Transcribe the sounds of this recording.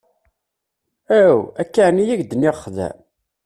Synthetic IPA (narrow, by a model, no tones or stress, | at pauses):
æwækːaʕnijæʝd̪ənːiʁəχːðæ̰